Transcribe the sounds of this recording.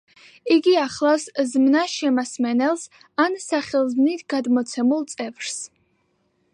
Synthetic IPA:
iɡiaχlˠaszmnaʃɛmasmɛnɛlˠs | ansaχɛlˠzmnit̪ʰɡ̥ad̪mɔt̪sʰɛmulˠt̪sʼɛvɾs

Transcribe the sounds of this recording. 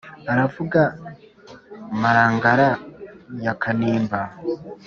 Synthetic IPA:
aɾavuɡa | maɾaːŋɡaɾajakʰaniːmba

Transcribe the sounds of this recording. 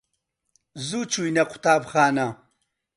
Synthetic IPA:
zuːt͡ʃʰujnɐqʷʊ̥taːbxaːnɐ

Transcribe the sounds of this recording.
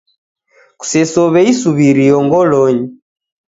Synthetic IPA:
ku̥sɛsɔβɛisuβiɾiɔŋɡɔlɔɲi

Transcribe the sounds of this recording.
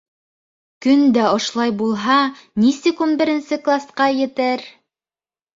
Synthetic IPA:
kɵnd̪æŏʃlˠɑjbulˠɦɑnisɘkunbɘ̆ɾɘ̆nsɘklˠasqɑjɘ̆t̪ɘɾ

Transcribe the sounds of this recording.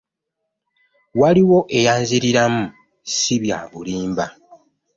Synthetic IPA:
waliwo̞ʔe̞jaːnziɾiɾamu | siβja̰ːβuliːmba

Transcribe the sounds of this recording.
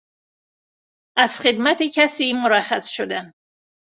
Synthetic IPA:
ʔæz̥xed̪mæt̪ʰecʰæsiːmoɾæxæsʃod̪æn

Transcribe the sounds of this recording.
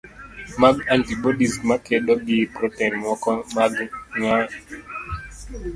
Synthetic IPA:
maɡantibɔɗistmakɛɗɔɡipɾɔtɛnmɔkɔmaɡŋa

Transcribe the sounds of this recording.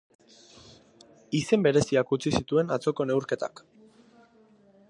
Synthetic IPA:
ise̞mbe̞ɾe̞siakut͡sisit̪ue̞nat͡so̞ko̞ne̞uɾke̞t̪a̰k

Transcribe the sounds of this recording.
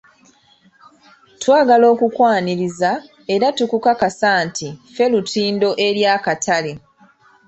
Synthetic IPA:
twaːɡalo̞ːkukwaːniɾiza | e̞ɾatukukakasaːntʰife̞lutiːndo̞ʔe̞ɾjaːkatʰale

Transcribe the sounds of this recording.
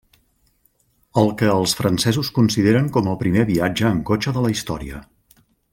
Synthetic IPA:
əlˠkəːlˠsfɾənsɛzuskunsiðeɾəŋkɔməlˠpɾimeβiad͡ʒəːŋkot͡ʃəðələist̪ɔ̰ɾiə̰

